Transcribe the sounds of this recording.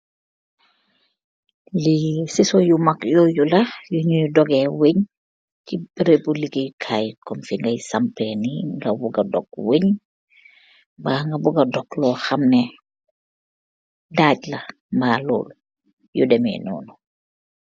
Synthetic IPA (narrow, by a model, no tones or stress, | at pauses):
lisisɔjumɐkjɔjulɐjuɲudɔɡɛweɲ | kibiɾebuliɡijkʰajkɔmfiŋɡɐjsampɛniŋɡɐbuɡɐdɔk̚weɲ | baːŋɡɐbuɡɐdɔklɔːxɐmnɛ | daːɟlɐ | mbaːlɔ̰ːlu | judɛmɛ̰nɔ̰ːnu